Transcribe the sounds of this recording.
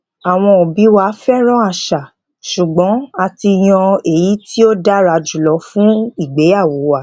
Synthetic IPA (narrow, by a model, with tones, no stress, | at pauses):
a˨w̃ɔ̃˧ɔ˨bi˨˦wa˧˦fɛ˦ɾ̃ɔ̃˦a˦˨ʃa˨ | ʃu˨ɡ͡bɔ̃˨˦a˧ti˧j̃ɔ̃˧e˨ji˨˦ti˦o˦da˦ɾa˧d͡ʒu˨lɔ˨˦fũ˦i˦˨ɡ͡be˨˦a˦˨wo˨˦wa˦˨